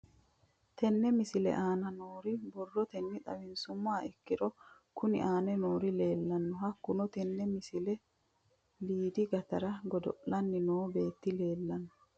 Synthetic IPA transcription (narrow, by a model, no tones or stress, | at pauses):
t̪ɛnːɛmɪsɪlɛ̰ʔaːnɐnoːɾɪbɔrːɔt̪ɛnːɪt̪ʼɐ̰wɪnsʊmːaːɪkːɪᶑɔ | kʊnɪ̰ʔaːnɛnoːɾɪle̞ːlːɐnːɔhɐkːʊnɔt̪ɛnːɛmɪsɪlɛ | liːd̪ɪɡɐt̪ɐɾɐɡɔd̪ɔ̰ʔlɐnːɪnoːbe̞ːt̪ːɪle̞ːlːɐnːɔ